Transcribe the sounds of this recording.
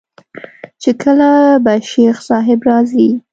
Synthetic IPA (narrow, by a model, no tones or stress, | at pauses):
t͡ʃekʰəlabaʃexsɑɦɪbɾɑzi